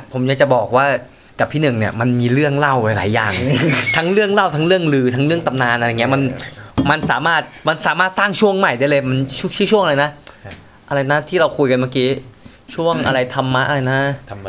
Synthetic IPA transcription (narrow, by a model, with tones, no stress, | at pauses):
pʰo˩˦mjaː˧˥k̚t͡ɕa˨˩bɔː˨˩k̚waː˥˩ | ka˨˩p̚ʰiː˥˩nɯ˨˩ŋni˥˩ɐma˧nmiː˧ɾɯ˥˩əŋla˥˩wa˧jla̰ː˩˦jːa̰ː˨˩ŋt̪ʰa˦˥ŋɾɯ˥˩əŋla˥˩wt̪ʰa˦˥ŋɾɯ˥˩əŋlɯː˧t̪ʰa˦˥ŋlɯ˥˩əŋt̪a˨˧mnaː˧nʔŋi˦˥ɐ˥ma˧nma˧nsaː˩˦maː˥˩t̪̚ma˧nsaː˨˦maː˥˩t̪̚saː˥˩ŋt͡ɕʰu˥˩əŋma˨˩jdaː˥˩jlɤː˧jma˧nt͡ɕʰu˦˥t͡ɕʰiː˦˥˩t͡ɕʰu˥˩˨ŋa˧la˧jna˦˥ʔ | ʔa˧ɾa˧jna˦˥t̪ʰiː˥˩ɾa˧wkʰuː˧jka˧nmaː˥˩kiː˦˥ | t͡ɕʰu˥˩əŋʔa̰˧ɾa˧jt̪ʰa˧mːa˦˥ʔa˧ɾa˧jna˦˥